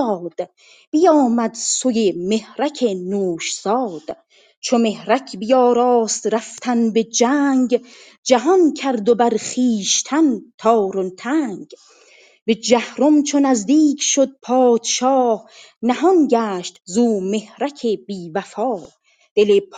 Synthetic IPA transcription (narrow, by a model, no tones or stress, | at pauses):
d̪̥ | b̥ijɒːmæd̪sojeme̞hɾækʰenoːʃz̥ɒːd̪̥ | t͡ʃʰome̞hɾækʰbijɒːɾɒːst̪ɾæft̪ʰænbe̞d͡ʒæːŋɡ | d͡ʒæɦɒnkʰæɾd̪obæɾχiːʃt̪ʰænt̪ʰɒːɾont̪ʰæːŋɡ | be̞d͡ʒæhɾomt͡ʃʰonæzd̪iːkʰʃod̪̚pʰɒːd̪̥ʃɒːh | næhɔnɟæːʃt̪zuːme̞hɾækʰeb̥iːvæfɒː | d̪̥e̞lepʰ